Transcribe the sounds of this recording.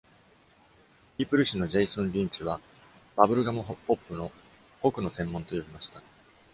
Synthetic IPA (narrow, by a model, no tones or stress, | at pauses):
ipɯ̟ɾɯ̟ɕino̞ʑe̞isõ̞nɾʲĩɲ̟t͡ɕɨβa | b̥abɯɾɯ̟ɡamɯ̟po̞pːɯ̟no̞ | okɯ̟no̞sẽ̞mːõ̞nt̪o̞jo̞bʲimaɕi̥t̪a